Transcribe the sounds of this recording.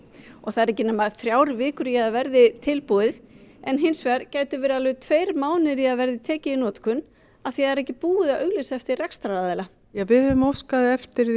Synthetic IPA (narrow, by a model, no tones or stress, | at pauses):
ɔɣθaðɾɛhcːɪnʏːmaðθɾjaːwɾvɪːkʏɾjɛaðvɛɾðɪt̪ʰɪlpuðɪðɛnɦɪnsvɛɾ̥caːjt̪ʏvɪɾalvʏt̪ʰveːjɾmaːwnɪɾiaðvɛɾðɪt̪ʰɛːcɪinɔːt̪kʰʏn | aðθjaðɛɾɛhcɪpuːɪðaðœɥɣlesaɛft̪ɪrrɛkst̪ɾaaːðɛla | jɛɣvɪðʏmowskaðɪɛft̪ɪɾ